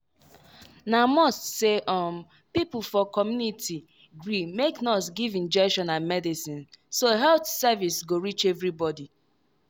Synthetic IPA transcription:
namɔstseʔɔm | pipufɔkɔmjunitʰi | ɡɹimeknɔsɡivĩnd͡ʒɛkʃɔ̃nãnmɛdisĩnsoɦɛlθsavisɡoɹit͡ʃɛvɹibɔdi

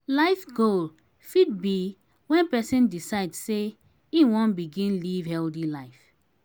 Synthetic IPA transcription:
laɪfɡol | fit̚bi | wɛ̃npɛsĩndisaɪdse | ĩwɔ̃nbiɡĩnlivhɛldilaɪf

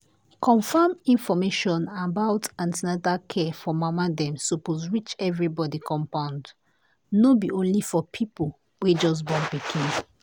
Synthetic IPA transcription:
kʰɔ̃ɱfamĩnfɔmeʃɔ̃nabaʊtãntnɛdakʰɛfɔmamadɛ̃msupozɹit͡ʃɛvɹibɔdikʰɔ̃mpãʊ̃nd | nobiʔõnlifɔpʰipol | wed͡ʒɔs̬bɔ̃npikʰĩn

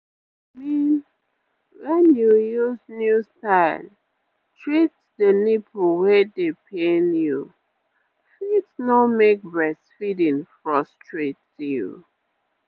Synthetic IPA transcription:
min | wɛ̃njujuznjustaɪl | tʰɹit | dənipʰowɛdepʰẽnju | fitsnɔmek̚bɹɛsfidĩnfɹɔstɹet | jṵ

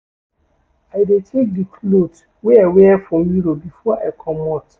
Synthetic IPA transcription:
aɪdetʰek̚dikʰlot | weawɛfɹɔ̃mjiɾobifɔaɪkʰɔmɔt

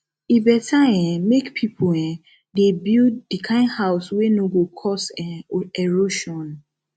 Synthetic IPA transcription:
ibɛtʰaɛ̃mekpʰipʰoɛ̃ | debilddikʰãɪ̃nhaʊswenoɡokʰɔsɛ̃ɛɹoʃɔ̃n

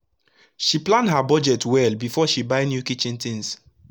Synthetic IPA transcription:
ʃiplãndɦabɔd͡ʒɛtwɛlbifɔʃibaɪnjukit͡ʃĩnt̪ĩŋs

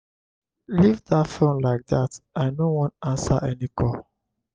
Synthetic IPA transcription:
livðatfõnlaɪk̚ðataɪnowɔ̃ntãnsaʔɛnikʰɔ

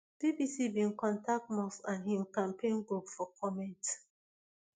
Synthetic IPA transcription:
d̥ibisibĩnkɔ̃ntʰak̚tmɔsãnhĩmkãmpʰẽnɡɹupfɔkʰɔmɛ̃nt

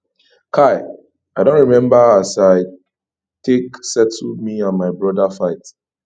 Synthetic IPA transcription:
kʰaɪ | aɪdõnɹimɛ̃mbaasaɪ | tʰeksɛtʰmiɔ̃nmaɪbɹɔdafaɪt

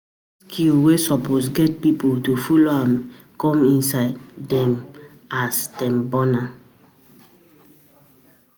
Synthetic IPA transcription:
skʰilwesɔposɡɛt̚pipoltufuloãm | kɔ̃mĩnsaɪddɛ̃m | asdɛ̃mbɔna

